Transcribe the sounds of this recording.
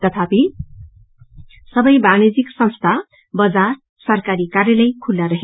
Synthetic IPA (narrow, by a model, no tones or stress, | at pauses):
t̪ʌt̪ʰapi | sʌbʌjbañed͡ziksʌ̃nst̪ʰa | bʌd͡zar | sʌrkaɾikarjʌlʌjkʰulːaɾʌɦe